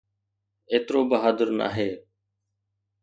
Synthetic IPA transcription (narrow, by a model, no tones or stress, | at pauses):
eːt̪ɾoːbəɦaːd̪əɾna̰ːɦeː